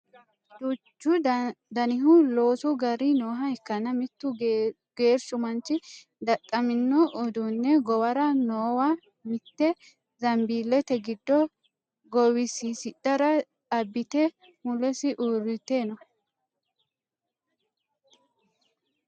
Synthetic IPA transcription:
d̪ut͡ʃːʊd̪ɐnɪɦʊlo̞ːsʊɡɐɾinoːɦɐɛkːɐnɐmɪt̪ːʊ | ɡ̥e̞ːɾsʊmɐnt͡ʃːɪ | d̪ɐt̪ʼːɐmɪnːɔʔːd̪unːɛɡɔwɐɾɐnoːwɐ | mɪt̪ːɛ | zɐmbiːlːɛt̪ɛɡɪd̪ːɔ | ɡɔwɪsisɪᶑɐɾɐtʼɐbːɪt̪ɛ | mʊlɛsɪʔuːɾɪt̪e̞ːnɔ

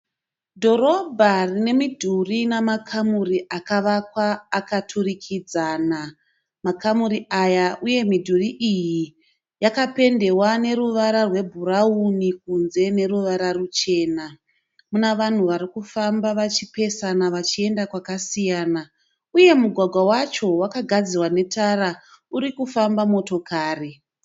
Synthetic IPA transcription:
dʱo̞ɾo̞bʱarine̞midʱurinamakʰamuriʔakaʋakwaːkatʰurikʰid͡zaːna | makamuɾiʔajaʔuje̞midʱuriʔiji | jakape̞nde̞wane̞ɾuʋaɾarwe̞bʱuɾaunik̚unze̞ne̞ruʋaɾarut͡ʃe̞ːna | munaʋan̤uʋaɾikufambaʋat͡ʃipe̞sanaʋat͡ʃie̞ndakwakasijaːna | uje̞muɡʱwaɡʱwawat͡ʃo̞wakaɡʱad͡zirwane̞tara | uɾikufambamo̞to̞kaːre

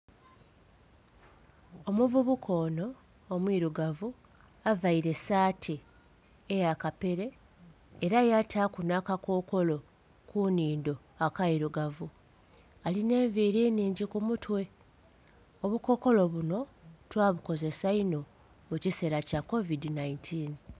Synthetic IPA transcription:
omuvuβukʰo̞ːno̞ː | mwiːɾuɡavu | avaiɾe̞saːtʰi | ejakape̞ɾeː | ɾajatʰaːkunakakʰo̞ːko̞lo̞ | kuniːndo̞ | akaiɾuɡavu | aline̞ːɱviːɾeːniːɲɟikumutwe̞ | o̞βuko̞ko̞lo̞βuno̞twaːβuko̞ze̞saino̞ | muciseɾacako̞vidinaintʰin

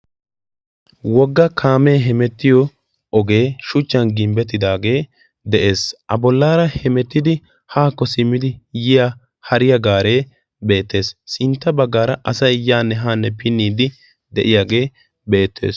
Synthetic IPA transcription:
wɔɡːɐkʰaːmeːɦɛmɛt̪ːɪjɔ | ʔɔɡe̞ːʃʊt͡ʃːɐnɡɪmbɛt̪ːɪd̪aːɡe̞ː | d̪ɛʔe̞ːsʔɐbɔlːaːɾɐhɛmɛt̪ːɪd̪ɪ | haːkːɔsɪmːɪd̪ɪjɪja | hɐɾɪjɐɡaːɾe̞ː | be̞ːt̪ːe̞ːssʼɪnt̪ːɐbɐɡːaːɾɐʔɐsɐjjaːnːɛɦaːnːɛpɪnːiːd̪ɪ | d̪ɛʔɪjaːɡe̞ː | be̞ːt̪ʰːe̞̰ːs

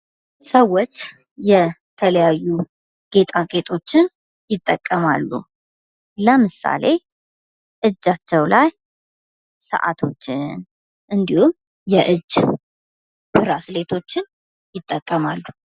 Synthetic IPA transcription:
səwːot͡ʃː | jɛt̪ʰələjajːu | ɡ̥e̞t̪ʰʼakʼe̞t̪ʼʰo̞t͡ʃːɪn | jɪt̪ʼːəkʼːəma̰lːṵ | ləmɨsa̰le̞ | ʔɨd͡ʒːat͡ʃːɛwlaj | sə̰ʔa̰t̪ʰo̞t͡ʃːɪn | ʔɨnd̪ihum | jɛʔɨd͡ʒ | b̥ɨɾasle̞t̪ʰo̞t͡ʃːɪn | jɪt̪ʼːəkʼːəmalːu

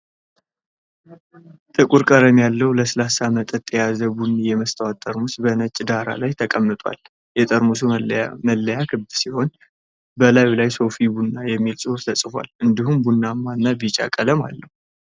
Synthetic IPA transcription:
t̪ʼɨkʼuɾkʼəɾəmjalːəwləsɨlasamət̪ʼət̪ʼːjazəbunːijɛməst̪ʰəwat̪ʼːəɾmusbənət͡ʃʼːd̪aɾa̰lajt̪ʰəkʼəmːɨt̪ʼwa̰l | jɛt̪ʼəɾmusuməlːəjakʰɨbd̪siho̞n | bəlajlajso̞fibunːajɛmːilsʼuɾt̪ʰəsʼɨfa̰lɨnd̪ihumbunːamːanːabit͡ʃʼa̰kʼələma̰lːəhu

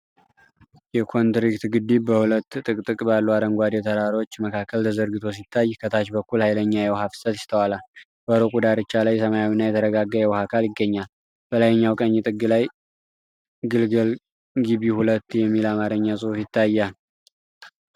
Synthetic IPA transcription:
jɛkʰo̞nt̪ɾikt̪ɡɨd̪ːibəhulət̪ːt̪ʼɨkʼt̪ʼɨkʼbalːuad̪əŋɡʷad̪jɛt̪ʰəɾaɾo̞t͡ʃːməkʰakʰːəlt̪ʰəzəɾɡɨt̪ʰo̞s̬it̪ʰːajːkʰət̪ʰat͡ʃbəkːulhajləɲːajɛwhafɨ̥sət̪ɪst̪ʰəwalal | b̥əɾokʼud̪aɾɨt͡ʃːalajsəmajawinːajɛt̪ʰəɾəɡaɡːajɛwhakʰaljɪɡːəɲːal | b̥əlajɛɲːawkʼəɲːɪt̪ʼɨɡːɨlaj | ɡɨlɡəl | ɡiβihulət̪ːjɛmːilamaɾəɲːasʼɨhufjɪt̪ʰːajːal

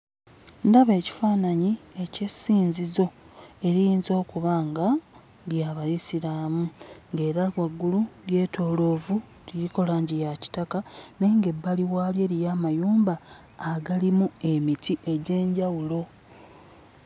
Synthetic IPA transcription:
ndaβe̞ːci̥faːnaɲie̞ce̞sːiːɲzizo̞ | e̞ɾijiːnzo̞ːkuβaːŋɡa | ljaβajisiɾaːmuŋɡe̞ːɾawaɡːuluɾje̞ːtʰo̞ːlo̞ːvu | ɾiɾiko̞laːɲɟijaci̥takane̞ŋɡe̞bːaliwaːlje̞ɾijaːmajuːmbaː | ɡalimue̞mitiʔe̞ɟe̞ːɲɟawulo̞

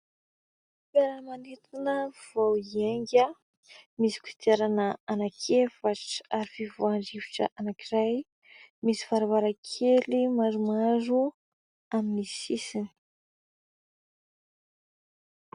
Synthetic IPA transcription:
peɾanmanet̪inəv̥owieŋɡʲə | misi̥ku̥i̥t̪eɾanəanakʰefaʈ͡ʂə̥aɾifivoaɳɖ͡ʐivi̥ʈ͡ʂə̰ʔanakiraj | misi̥vaɾavaɾakʰelimaɾumaɾu | aminisisini̥

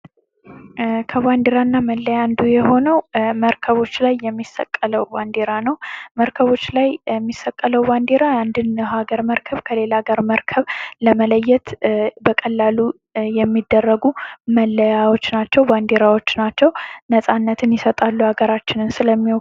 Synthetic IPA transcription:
kʰəβand̪eɾanːaməlːəjand̪ujɛho̞nəwməɾkʰəβo̞t͡ʃːlajːɛmːisːə̰kʼːələwband̪eɾanəwməɾkʰəβo̞t͡ʃːlajɛmːisəkʼːələwband̪eɾaand̪ɨnhaɡəɾməɾkʰəβkʰəle̞laɡaɾməɾkʰəβləmələjːɛt̪bəkʼəlːalu | jɛmːid̪ːərːəɡuməlːəjawo̞t͡ʃːnat͡ʃːɛwband̪eɾawo̞t͡ʃːnat͡ʃːɛwnəsʼanːət̪ʰɨnjɛsət̪ʼalːuhaɡəɾat͡ʃːɪnɨnsɨləmːiɔ

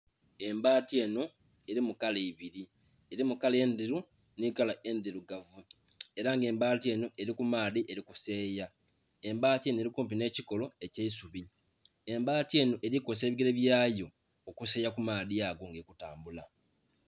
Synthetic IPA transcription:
e̞mbaːtie̞no̞ | e̞ɾimukaleiβiɾi | eɾimukale̞ːnd̪iɾu | nikalae̞nd̪iɾuɡavu | e̞ɾaŋɡe̞ːmbaːtie̞ːno̞ʔe̞ɾikumaːliʔe̞ɾikuse̞ːja | e̞mbaːtienoeɾikump̬ine̞ːciko̞lo̞e̞ceisuβi | e̞mbaːtie̞ːno̞ʔe̞ɾikos̬e̞ːβiɡeɾeβjaːjo̞ː | kuseːjakumaːðijaɡo̞ŋɡekutaːmbula

